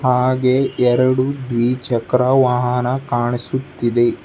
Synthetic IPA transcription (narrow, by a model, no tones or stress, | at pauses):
ɦaːɡeɛɾɐɽud̪ʋiːt͡ʃɐkɾɐʋaɦɐnɐkaːɳisut̪ːid̪e